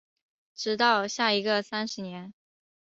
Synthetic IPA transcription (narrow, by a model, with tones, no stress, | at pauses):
ʈ͡ʂɻ̩˧˥t̪ɑ˥˧ʊɕja˥˩i˧˥ɡə˧sa˥nʂɻ̩˧˥njɛ˧˥n